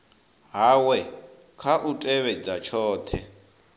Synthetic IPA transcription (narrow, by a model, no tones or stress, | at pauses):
ɦaːwɛ | kʰaʔutʼɛβɛd͡zat͡ʃʰɔːt̪ʰɛ